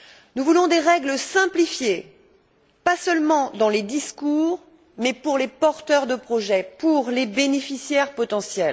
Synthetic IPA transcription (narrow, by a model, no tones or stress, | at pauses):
nuvulɔ̃d̪eʁɛɡləsɛ̃plifje | pasœlmɑ̃d̪ɑ̃led̪iskuʁ | mɛpuʁlepɔʁt̪œʁd̪əpχɔʒɛpuʁlebenefisjɛʁpɔt̪ɑ̃sjɛl